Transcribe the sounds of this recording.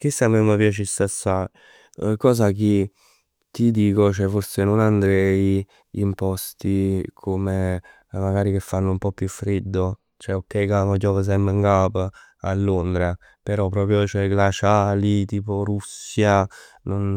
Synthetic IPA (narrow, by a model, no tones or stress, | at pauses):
kisamːemːəpjat͡ʃist̪asːa | kɔːzak̟i | t̪ːid̪iːkot͡ʃɛfoɾsenonand̪ɾɛj | impɔst̪ikʰome | maɡaːɾik̟efːanːoumpɔpːjufːɾed̪ːo | t͡ʃoɛokːɛjkamot̪̬ɔːkəs̬ɛmpəŋɡaːp | alːond̪ɾa | peɾɔpːɾɔːpɾjot͡ʃɛɡlat͡ʃaːlit̪iːpoɾusːja | non